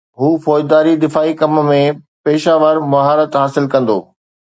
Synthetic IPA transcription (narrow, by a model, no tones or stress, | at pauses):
ɦuːfɔːd͡ʒd̪aːɾid̪ɪfaːikɐmmẽ | peːʃaːʋəɾmɐɦaːɾət̪ɦaːsɪlkɐ̃nd̪o̰ː